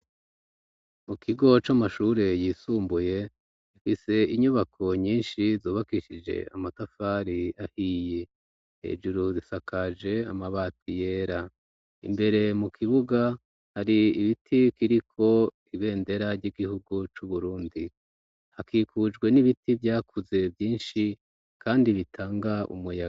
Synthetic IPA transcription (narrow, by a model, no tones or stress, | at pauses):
mukʰiɡo̞t͡ʃamaʃuɾe̞jiːsuːmbuje̞ | ifise̞iɲuβakʰo̞ɲiːnʃizuːβakiʃid͡ʒe̞̰a̰matafaːɾiahiːje̞ | hḛd͡ʒuɾuzisakad͡ʒe̞a̰maβatije̞ːɾa | ḭmbe̞ɾe̞mukʰiβuɡa | haɾiiβitʰikiɾikʰo̞ | iβe̞ːnde̞ɾaɾɟiɡihuɡut͡ʃuβuɾuːndi | hakikʰud͡ʒɡwe̞niβitivjaːkʰuze̞vjiːnʃi | kʰaːndiβitʰaːŋɡaʔṵmuja